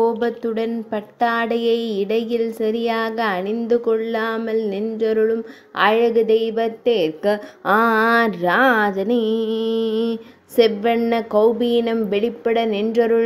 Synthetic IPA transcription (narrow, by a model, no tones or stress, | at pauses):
oːbɐt̪ːɯɽɐnpɐʈːaːɽɐjɐɪɪɽɐjɪlsɐɾɪjaːɣɐːɳɪnd̪ɯkɔɭːaːmɐlnɛndrɐɾɯɭɯm | ʔaːɻɐɣɯd̪ɐɪʋɐt̪ːeːɾkɐʔaːɾaːd͡ʒɐni | sɛʋːɐɳːɐkɐʊbiːnɐmʋɛɭɪpːɐɽɐnɛndrɐɾɯɭ